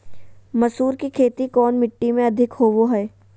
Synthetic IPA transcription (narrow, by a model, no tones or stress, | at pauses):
mɐsuːɾkikʰeːt̪ikɔːnmɪʈːimẽɐd̪ʱɪkɦoːʋoɦɛː